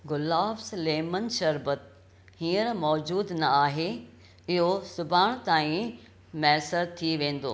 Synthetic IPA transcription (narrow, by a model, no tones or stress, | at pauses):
ɡʊlaːbsleːmənʃɐɾbət̪̚ | hiːəɾmɔːd͡ʑuːd̪nɐaːɦe | ɪɦosʊbʱaːɽ̃t̪aːĩ | mɛːsəɾt̪ʰːiʋẽːn̆d̪o̰ː